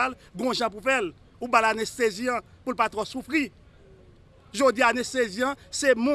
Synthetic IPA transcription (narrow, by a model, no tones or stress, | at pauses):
alɡɔ̃ʒãp̬ufɛl | ubalanɛst̪eziã | pulpat̪wɔsufʁi | ʒodianɛst̪eziãsɛmũ